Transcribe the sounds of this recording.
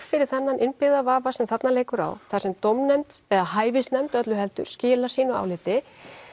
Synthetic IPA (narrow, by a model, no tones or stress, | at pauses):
fɪɾɪɾ̥θɛnːanʔɪnpɪðavaːvasɛmθat̪naleːjkʏɾa̰wθḁsɛmt̪owmnːɛmt̪ɛðahaːjvɪst̪nɛmt̪œt̪lʏɦɛlt̪ʏ̰ɾ̥scɪːlḁsiːnʏa̰wlɪːt̪ɪ